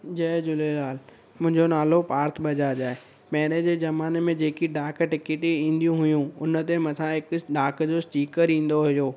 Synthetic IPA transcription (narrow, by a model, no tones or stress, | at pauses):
d͡ʑɐːd͡ʑʊlelaːl | mʊ̃ɦɪ̃ɲd͡ʑonaːlopaːɾt̪ʰɓɐd͡ʑad͡ʑaːe | mɛːneːd͡ʑeːzɐmaːnmẽd͡ʑeːkiɖaːkʈɪkeʈeĩːn̆d̪ijũɦʊjũʊnə̆t̪emɐ̃t̪ʰãɦɪkɖaːkd͡ʑosʈiːkəɾĩːn̆d̪oɦʊjoː